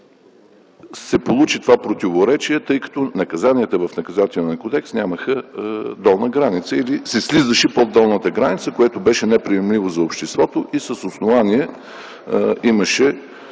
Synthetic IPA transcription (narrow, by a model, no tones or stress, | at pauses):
sɛpolˠut͡ʃit̪ovapɾot̪ivoɾɛt͡ʃiɛt̪ɤjkɐ̥t̪ɔnɐkɐzaniət̪əvɐfnɐkɐzat̪ɛlniəkod̪ɛksnʲaməxəd̪ɔlˠnəɡɾanit̪səilisɛslizəʃɛpod̪ːɔlˠnət̪əɡɾanit̪səkoɛt̪obɛʃɛnɛpɾiɛmlʲivozɐopʃt̪ɛst̪vɔt̪oʔisəsosnovaniɛ | iməʃɛ